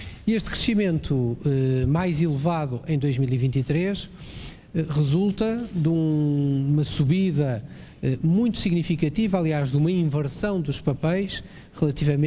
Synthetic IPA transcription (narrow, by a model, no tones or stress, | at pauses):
ieʃt̪kɾɨʃimẽnt̪ʰuɛmajzilˠɨvaðuʔɐ̃j̃d̪ojʒmilˠivĩnt̪it̪ɾeʃ | ɛʁɨzulˠt̪ɐðũ | umɐsuβiðɐ | ɛmũj̃t̪u̥siɣnifikɐt̪ivalˠiaʒðumɐĩvɨɾsɐ̃w̃d̪uʃpɐpɛjʃ | ʁɨlˠɐt̪ivɐmẽ